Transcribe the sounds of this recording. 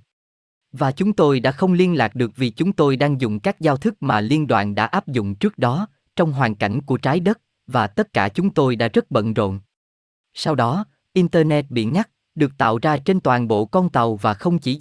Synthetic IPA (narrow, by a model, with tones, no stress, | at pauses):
vaː˨˩t͡ɕʊ˨˦ŋ͡mt̪o˧jɗa̰ː˧˥xə˧wŋ͡mli˧ənlaː˨˩k̚ɗɨ˨˩ək̚vi˨˩t͡ɕʊ˨˦ŋ͡mt̪o˧jɗaː˧ŋzʊ̰˧˨ŋ͡mkaː˦˥k̚zaː˧wt̪ʰɨ˦˥k̚maː˨˩li˧ənɗwa̰ː˧˨nɗa̰ː˧˥ʔaː˦˥p̚zʊ̰˧˨ŋ͡mt͡ɕɨ˦˥k̚ɗɔ˨˦ | t͡ɕɔ˧wŋ͡mɦwaː˨˩nka̰˧˩jŋ̟ku˧˩ət͡ɕaː˨˦jɗə˦˥t̚ | vaː˨˩t̪ə˦˥t̚kaː˧˩t͡ɕʊ˨˦ŋ͡mt̪o˧jɗa̰ː˧˥zə˦˥t̚ɓə̰˧˨nzo̰˧˨n | sa˧wɗɔ˨˦ | ʔi˧nt̪əː˧nɛ˦˥t̚ɓḭ˧˩nŋa˦˥t̚ | ɗɨ˨˩ək̚t̪a̰ː˧˨wzaː˧t͡ɕe˧nt̪waː˨˩nɓo̰˧˨kɔ˧nt̪ə˨˩wvaː˨˩xə˧wŋ͡mt͡ɕi˧˩